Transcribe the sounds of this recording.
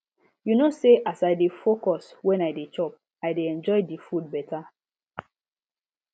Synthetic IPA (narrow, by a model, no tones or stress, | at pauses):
junoseʔasajdefokɔswɛ̃najdet͡ʃɔp̚ | ajdeɛ̃nd͡ʒɔɪdifud̚bɛta